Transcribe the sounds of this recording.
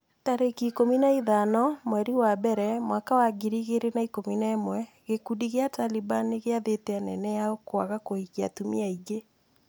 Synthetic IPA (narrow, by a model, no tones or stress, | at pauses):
taɾekikominaiðanɔmwɛɾiwabɛɾɛmwakawaɡiɾiɣeɾenaikominaemwɛ | ɣekudiɣeatalibaniɣeaðeteanɛ̰nɛjaokwaɣakoiɣia̰tumḭaiɡe